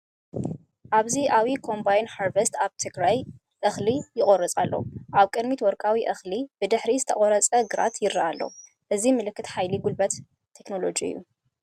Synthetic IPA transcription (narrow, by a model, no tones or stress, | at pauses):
ʔaβziʔawikʰo̞mbajnħaɾvest̪aβt̪ʰɨɡɾaj | ʔɨxlijɪχʼoɾɐt͡sʼalːo̞̰ʔaβkʼɨd̪mit̪wɔɾkʼawiʔɨxlib̥ɨd̪ɨħɾizɨt̪ʰɐχʼoɾɐt͡sʼɐɡɨɾa̰t̪jɪɾːaʔalːo̞̰ | ʔɨzimɨlɨkːɨt̪ħajliɡulbɐt̪ʰː | e̞kno̞lo̞d͡ʒiɨ̰jːṵ